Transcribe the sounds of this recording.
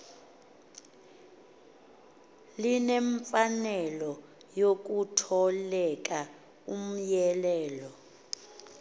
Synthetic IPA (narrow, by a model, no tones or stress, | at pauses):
linɛɱfanɛlɔ | jok̬utʰɔlɛk̬ʼa | um̩jɛlɛːlɔ